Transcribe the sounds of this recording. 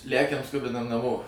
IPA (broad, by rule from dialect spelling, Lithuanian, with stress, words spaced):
ˈlʲækʲɛm ˈskʊbʲɪnɐm nɐˈmoː